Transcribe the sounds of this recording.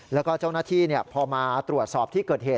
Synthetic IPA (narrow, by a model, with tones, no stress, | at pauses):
lɛː˦˥wkɔː˥˩t͡ɕaː˥˩wnaː˥˩t̪ʰiː˥˩ni˥˩əpʰɔː˧maː˧t̪ɾu˨˩ət̪̚sɔː˨˩p̚t̪ʰiː˥˩kɤː˨˩t̪̚heː˨˩t̚